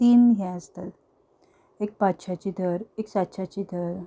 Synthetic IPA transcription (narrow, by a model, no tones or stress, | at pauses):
t̪iːmɦɛəst̪ət̪ | ek̚patːɕʰat͡ɕid̪ʱəɾeksat̪ːɕʰat͡ɕid̪ʱəɾ